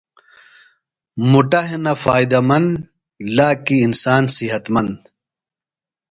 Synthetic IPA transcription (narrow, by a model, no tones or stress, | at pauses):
muʈɐɦenɐfaːid̪ɐmɐnd̪ | laːkiːnsaːnsiɦɐt̪mɐnd̪